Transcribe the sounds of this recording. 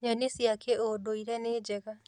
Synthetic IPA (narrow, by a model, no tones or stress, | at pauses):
janisiakʰeodoiɾɛned͡ʒɛɣa